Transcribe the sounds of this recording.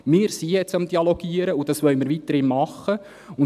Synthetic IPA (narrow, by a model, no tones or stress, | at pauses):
mɪːɾsijɛt͡sɑmd̥̪iɑloɡ̥iəɾəud̥ɑsʋœɥmɪɾʋit̪əɾɪnmɑχːə | ʊn